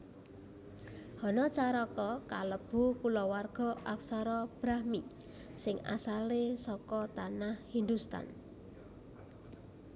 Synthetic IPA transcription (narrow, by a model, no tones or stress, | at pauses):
hɔnɔt͡ʃaɾɔkɔkaləb̥ukulɔwarɡ̥ɔ̤ʔaksaɾɔb̥ɾahmi | sɪŋa̰salesɔkɔt̪anahhind̪ust̪a̰n